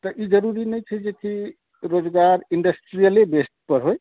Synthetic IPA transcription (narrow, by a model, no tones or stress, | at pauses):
t̪əʔid͡ʒəɾuɾinəjt͡ʃʰəjd͡ʒek̪ʰi | ɾod͡ʒɡaɾiɳɖəsʈɾijəlebesʈ̚pəɾɦoj